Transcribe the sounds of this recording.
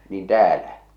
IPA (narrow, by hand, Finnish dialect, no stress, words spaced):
niːn tæːlæ